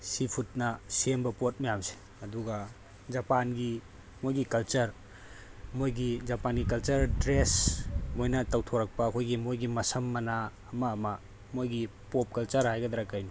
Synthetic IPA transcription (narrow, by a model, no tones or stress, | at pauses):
sipʰut̚nɐsembɐpot̚mɐjamse̥ | ɐduɡa | zɐpanɡi | mojɡikɐlt͡ʃɐɾ | mojɡizɐpanɡikɐlt͡ʃɐɾdɾesmojnɐtɐwtʰoɾɐk̚pɐːkʰojɡimojɡimɐsɐmːɐnaː | mɐːmɐ | mojɡipop̚kɐlt͡ʃɐɾhajɡɐd̪ɐɾakːajni